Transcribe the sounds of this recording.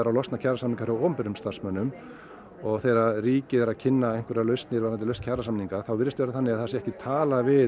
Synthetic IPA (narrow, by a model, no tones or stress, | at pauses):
ɾawlɔst̪nacʰaɾrasamniŋkaɾawɔːmpɪɾʏmst̪arsmœnːʏm | ɔɣθejɾariːcɪðɛɾacʰɪnːaejŋ̥kʰvɛɾɾalœɥst̪nɪɾvaɾnat̪ɪlœɥst̪cʰaɾrasamniŋkaθawvɪɾst̪vɛːɾaθanːɪɣaðθasɪɛhcɪt̪ʰaːlavɪ